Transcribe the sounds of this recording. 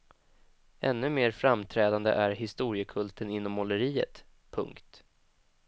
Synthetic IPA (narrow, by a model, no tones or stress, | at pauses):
ʔɛnːɵmeːɾfɾamt̪ʰɾɛːd̪and̪ə̰ʔæɾɦɪst̪uːɾɪəkʰɵlt̪ənɪnːɔmːɔləɾiːə̰t̪ | pʰɵ̰ŋkt̪